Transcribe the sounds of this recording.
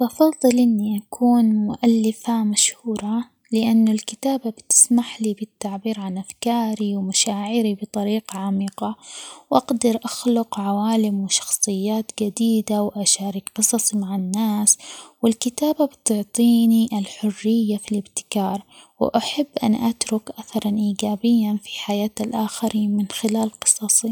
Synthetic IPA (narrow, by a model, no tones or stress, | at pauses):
lʔɑfɑðˤːɨlʔɪnːiʔakʰuːnmʊʔalːɪfamaʃhuːɾˤɑ | lɪʔanːʊlkɪt̪aːbabt̪ɪ̥smaħlibɪt̪ːaʕbiːɾʕanʔafkaːɾiwmaʃaːʕɪɾibɨt̪ˤɑɾiːqaʕamiːqɑwʔaɡd̪ɑɾʔaxlʊqʕawaːlɪmwɪʃɑ̥xsˤɨjːaːt̪d͡ʒad̪iːd̪awʔaʃaːɾiːkqɨsˤɑsˤimaʕanːaːswɪlkɪt̪aːbabɪt̪ʊʕt̪ˤiːniʔalħʊrːɪjːafilɪbt̪ɪ̥kɑːɾˤ | wɪ̰ʔaħabːʔa̰nʔat̪ɾʊkʔaθɑɾˤɑnʔiːɡaːbɪjːanfi̥ħajaːt̪alʔaxaɾiːnmɪnxɪlaːlqɨ̥sˤɑsˤi